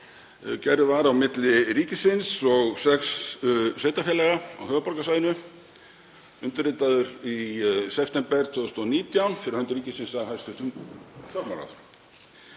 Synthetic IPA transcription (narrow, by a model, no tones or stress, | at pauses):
cɛɾɪvaɾawmɪt̪lɪɾiːcɪsɪnsɔɣsɛksseːjt̪afjɛlɛɣaa̰whœːvʏpɔɾkasaːjɪnʏ | ʏnt̪ʏɾrɪt̪aðʏɾisɛft̪ɛmpɛɾ̥t̪ʰvœːðʏst̪ɔniːt̪jawnfɪɾɪɾhœnt̪ʏɾiːcɪsɪnsaðhajst̪ʰʏht̪ʏmfʰamaɾa̰θ